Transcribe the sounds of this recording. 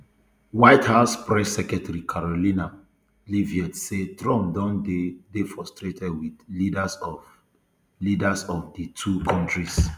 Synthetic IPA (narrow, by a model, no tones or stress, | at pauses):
waɪthaʊspɹɛsːɛkɛtaɹikʰaɹolĩna | liviɛtsetɹɔ̃mdɔ̃ndefɹɔstɹetʰɛdwidlidasɔv | lidasɔfditʰukʰɔ̃ntɹis